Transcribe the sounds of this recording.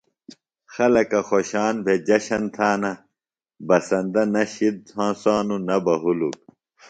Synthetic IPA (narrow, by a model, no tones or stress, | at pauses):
xɐlɐkɐxoɕaːnbʱed͡ʑɐɕɐnt̪ʰaːnɐ | bɐsɐ̃nd̪ɐnɐɕid̪̚hãːsaːnunɐbɐɦuluk̚